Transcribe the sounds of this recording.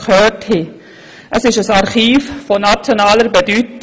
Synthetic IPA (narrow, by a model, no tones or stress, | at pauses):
kʰhœːthi | ʔəsɪʃəsɑɾχiːffonat͡sjonaːləɾbedyt